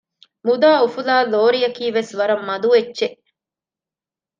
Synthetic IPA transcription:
mud̪aːufulaːloːɾijɐkiːʋesʋɐɾɐmːɐd̪uʋet͡ʃːʃeʔ

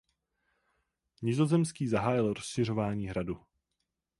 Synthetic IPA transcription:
ɲɪzo̞zɛmskiːzaɦaːjɪlɾosʃɪr̝o̞vaːɲiːɦɾadu

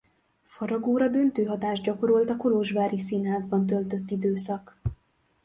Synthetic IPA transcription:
fɒɾɒɡoːɾɒd̪ø̞nt̪øːɦɒt̪aːʒɟɒko̞ɾolt̪ɒkoloʒvaːɾisinɦaːzbɒnt̪̬ø̞lt̪ø̞t̪ːid̪øːsɒk

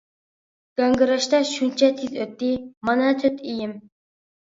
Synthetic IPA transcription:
ɡ̥ɑŋɡɨɾɑʃt̪ɑʃunt͡ʃʰɛt̪ʰizøt̪ːimɑnɑt̪ʰøt̪ʰijɪm

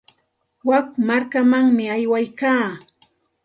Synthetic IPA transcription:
wakmaɾkamaŋmɪajwajkaː

